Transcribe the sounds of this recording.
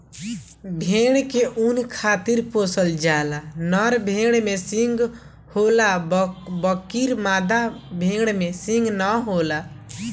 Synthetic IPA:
bʱeɽ̃keʔunkʰat̪iɾposəld͡ʒalanəɾbʱeɽ̃mesiŋɡ | holabəkːiɾmad̪abʱeɽmesĩŋɡnəɦola

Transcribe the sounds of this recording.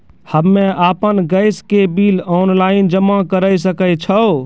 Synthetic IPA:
həmːeapənɡəjskebilɔnlaind͡ʒəmakəɾəjsəkət͡ʃʰəo

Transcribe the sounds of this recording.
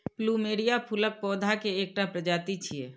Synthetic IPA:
pluːmeːɽijapʰʊlək̚pɔːd̪ʱakeeːk̚ʈapɾəd͡ʒaːt̪it͡ʃʰieː

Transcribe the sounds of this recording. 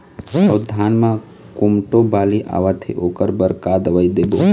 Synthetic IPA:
ɐd̪ʱaːnmã | kumʈobaːliʔa̰ːʋat̪ʰḛʔoːkəɾbəɾkad̪əʋaid̪eːboː

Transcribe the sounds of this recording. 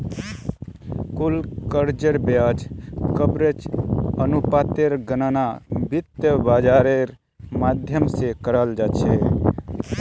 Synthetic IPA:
kulkəɾd͡ʒəɾbjad͡ʒkəbɾet͡ʃənupat̪eɾɡənanabit̪jəbad͡ʒaɾeɾ | mad̪ʱjəmsekəɾəld͡ʒat͡ʃʰe

